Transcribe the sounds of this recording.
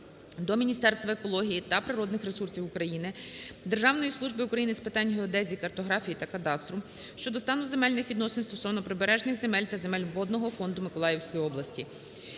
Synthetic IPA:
d̪ɔmʲinʲist̪ɛrst̪ʋɐekɔlˠɔɦʲijit̪ɐpɾɪɾɔd̪nɪxɾesursʲiwʊkɾɐjinɪd̪e̞rʒɑwnɔjislˠuʒbɪʊkɾɐjinɪspɪt̪ɑnʲɦeɔd̪ɛzʲikɐrt̪ɔɦɾɑfʲijit̪ɐkɐt̪ɑst̪ɾʊ | ʃt͡ʃɔd̪ɔst̪ɑnʊze̞mɛlʲnɪxʋʲid̪nɔsenst̪ɔsɔʋnɔpɾɪbeɾɛʒnɪxze̞mɛlʲt̪ɐze̞mɛlʲʋɔd̪nɔɦɔfɔnd̪ʊmɪkɔlˠɑjewsʲkɔjiɔblˠɐsʲtʲi

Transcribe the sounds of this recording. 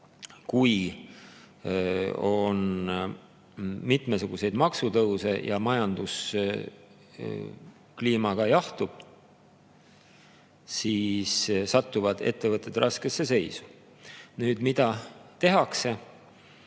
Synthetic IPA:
kuj | o̞n | mit̪mesuɡ̥use̞jd̪mɑksut̪ɤwse̞jɑmɑjɑnd̪̥us | kliːmɑɡ̥ɑjɑht̪ub̥ | siːssɑt̪ːuvɑd̪̥e̞̰t̪ːe̞vɤt̪ːˑe̞d̪̥rɑske̞sːe̞se̞jsu̥ | nyːd̪̥mid̪̥ɑt̪e̞ɦɑkse̞

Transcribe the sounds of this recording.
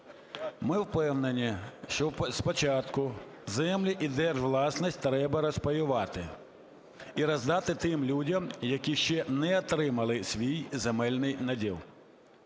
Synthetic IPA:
mɪwpɛwnenʲiʃt͡ʃɔwspɔt͡ʃɑt̪kʊ | zɛmlʲiʔid̪ɛrʒʋlˠɑsnisʲtʲt̪ɾɛbɐɾɔspɔjʊʋɑt̪ɪ | iɾɐzd̪ɑt̪ɪt̪ɪmlʲudʲɐmjɐkiʃt͡ʃɛnɛɔt̪ɾɪmɐlˠɪsʲʋʲijzemɛlʲnɪjnɐdʲḭlˠ

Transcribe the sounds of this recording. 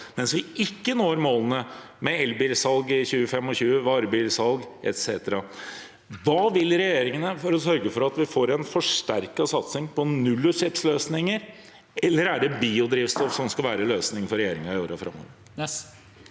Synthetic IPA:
mɛnsʋɪɪkːənoːɾmoːlənə | mɛɛlbiːlsɑlɡɪçʉːəfɛmːɔçʉːəʋɑːɾəbiːlsɑlɡʔɛ̰t̪seːt̪əɾɑ | ʋɑːʋɪlɾɛjeːɾɪŋənəfɔɾɔsœɾɡəfɔɾɑt̪ʋɪfoːɾɛnfɔʂʈæɾkɑsɑt̪sɪŋpɔnʉlːʊʂɛpsløːsnɪŋəɾ | ɛlːəɾæɖɛbiːʊd̪ɾɪːʋst̪ɔfsɔmskɑlʋæːɾəløːsnɪŋfɔɾɛjeːɾɪŋɑɪoːɾɑfɾɑ̰mːɔ̰ʋə

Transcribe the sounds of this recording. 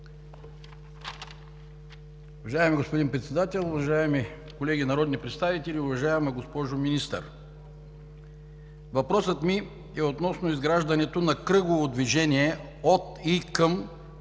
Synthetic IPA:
ʊvɐʒaɛmiɡospod̪inpɾɛt̪sɛd̪at̪ɛlˠʊvɐʒaɛmi | kolɛɡʲinɐɾɔd̪nipɾɛt̪st̪avit̪ɛliʊvɐʒajɛmɛɡospɔʒominist̪ə̰ɾ | vɐpɾɔsət̪mi | ɛot̪nɔsnoizɡɾaʒd̪ɐnɛt̪onɐkɾɤɡovod̪viʒɛnʲiɛ | ot̪ikəm

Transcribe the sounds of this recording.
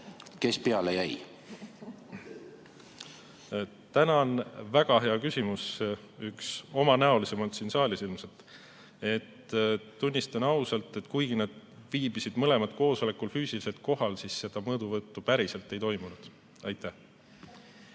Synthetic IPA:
ke̞speɑlejæj | t̪ænɑnvæɡ̥ɑɦe̞ɑkysʲimus | ykso̞mɑnæo̞lise̞mɑlt̪sinsɑːlisilmset̪ | e̞t̪ːunʲːist̪ɑnɑusɑlt̪ːˑe̞t̪kujɡ̥inɑd̪̥viːbisid̪̥mɤle̞mɑd̪̚ko̞ːso̞le̞kːulfyːsilise̞lt̪̚ko̞ɦɑlsisːe̞d̪̥ɑmɤːd̪̥uvɤt̪ːupæɾise̞lt̪ːˑe̞jt̪o̞jmunud̪̥ | ɑjt̪ːˑæh

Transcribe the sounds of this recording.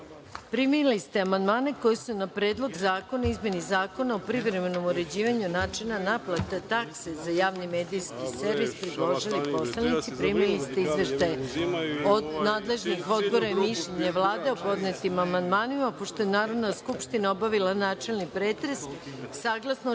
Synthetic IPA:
pɾiminilist̪eamand̪maːne̞ko̞jesunapɾe̞ːd̪lˠo̞ɡzaːko̞naizmje̞nizaːko̞naopɾiʋɾeme̞no̞moɾe̞d͡ʑiːʋaɲunaːt͡ʃenanaplˠat̪et̪aksezajaːʋnime̞ːd̪ijskiseɾʋispɾiɡoʒilipo̞slanit̪sipɾimilist̪eizʋeʃt̪ajeod̪naːd̪le̞ʒnixo̞d̪bo̞ɾaimiʃʎeɲeʋlˠaːd̪e̞opo̞d̪net̪imamand̪maːnimapoʃt̪o̞enaːɾo̞ʋnaskupʃt̪inao̞baʋilanaːt͡ʃe̞lnipɾeːt̪ɾe̞sːaːɡlˠasno

